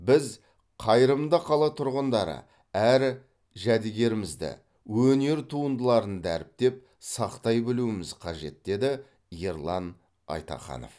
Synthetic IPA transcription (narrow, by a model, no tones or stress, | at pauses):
bɪz | qʰɑjɾəmd̪əqʰɑlˠɑt̪ʰʊɾʁənd̪ɑɾə̰ | æɾ | ʒæd̪ɪɡʲe̞ɾɪmɪzd̪ɪ̰ | wɵne̞ɾt̪ʰuənd̪əlˠɑɾənd̪æɾɪp̚t̪e̞p̚ | sɑqt̪ɑjbɪluɪmɪzqʰɑʒe̞t̪̚d̪e̞d̪ɪ | je̞ɾlˠɑn | ɑ̰jt̪ɑ̰χɑ̰no̰f